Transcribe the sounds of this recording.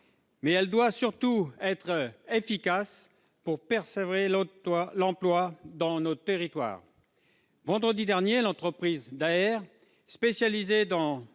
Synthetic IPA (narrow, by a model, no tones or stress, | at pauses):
mɛɛld̪wasyʁt̪uɛt̪χefikas | puʁpɛʁsevʁellɑ̃plwad̪ɑ̃not̪eʁit̪wa̰ːʁ | vɑ̃d̪ʁəd̪id̪ɛʁnjelɑ̃t̪χəpχizd̪aɛʁ | spesjalized̪ɑ̃